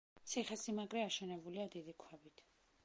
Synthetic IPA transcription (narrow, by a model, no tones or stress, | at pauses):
t̪sʰiχɛsimaɡɾɛaʃɛnɛbuliad̪id̪ikʰwɛbit̪ʰ